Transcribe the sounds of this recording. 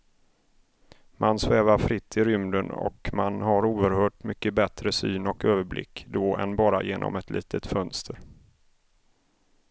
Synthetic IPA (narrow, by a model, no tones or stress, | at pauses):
mʔansvɛːvaɾfɾɪt̪ʰːɪɾʏmd̪ənɔ̰kmanɦaɾuːəɾhœːʈmʏkːəbɛt̪ɾəsy̰ːnɔkøːvəɾblʔɪ̰kːd̪ɔʔɛ̰nbɑːɾa̰jeːnʔɔ̰mɛt̪ʰlḭːt̪ʰət̪fœnst̪ʰəɾ